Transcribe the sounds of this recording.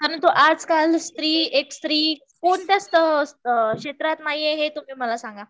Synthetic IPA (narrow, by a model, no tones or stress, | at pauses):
kaɾənt̪oʔad͡zkalst̪ɾiːekst̪ɾiː | koɳt̪jast̪əkɕet̪ɾat̪naɦijeɦet̪um̤iːməlasaŋɡa